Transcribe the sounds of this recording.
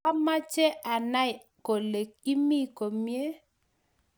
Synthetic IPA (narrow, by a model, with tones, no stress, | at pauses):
a˦ma˦t͡ʃe˦ʔa˨na˦j | ko˨le˨k̚i˦mi˦˨ko˨mje˦